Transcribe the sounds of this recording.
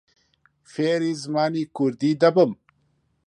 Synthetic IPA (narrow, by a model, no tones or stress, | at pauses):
feːɾizmaːnikuɾd̪iːd̪ɐbəm